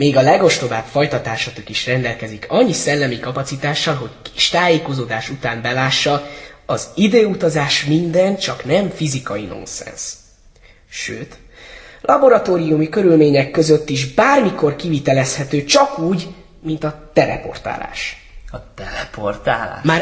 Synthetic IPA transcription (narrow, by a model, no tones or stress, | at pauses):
meːɡɒlɛɡo̞ʃt̪o̞baːbfɒjt̪ɒt̪aːʃɒt̪okiʃrɛnd̪ɛlkɛzikɒɲːisɛlːɛmikɒpɒt̪sit̪aːʃːɒlɦo̞ckiʃt̪aːjeːko̞zoːd̪aːʃut̪aːmbɛlaːʃːɒɒzid̪eːut̪ɒzaːʃmind̪ɛnt͡ʃɒknɛmfizikɒjino̞̰nsɛ̰ns | ʃø̰ːt̪ | lʔɒbo̞ɾɒt̪oːɾijumikø̞ɾylmeːɲɛkːø̞zøt̪ːiʒbaːrmiko̞rkivit̪ɛlɛshɛt̪øːt͡ʃɒkuːɟ | mint̪ɒt̪ɛɾɛ̰po̞̰rt̪a̰ːla̰ːʃ | ɒt̪ɛɾɛport̪aːla̰ːmaː